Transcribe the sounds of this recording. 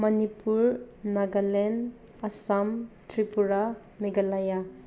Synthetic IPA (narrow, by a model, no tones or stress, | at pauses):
mɐnipuɾnaɡalen | asamtʰɾipuɾa | meɡalaja